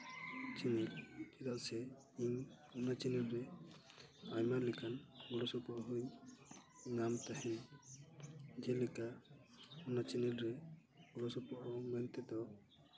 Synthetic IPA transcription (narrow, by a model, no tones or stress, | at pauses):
t͡ʃinild͡ʒɛd̪aʔsɛ | iɲ | ɔnat͡ʃinilɾɛ | ajmaɾlɛkanɡɔɽɔsɔpɔʔɦuj | namt̪ahɛn | d͡ʒɛlɛka | ɔnat͡ʃinilɾɛ | ɡɔɽɔsɔpɔʔɔmɛnt̪ɛd̪ɔ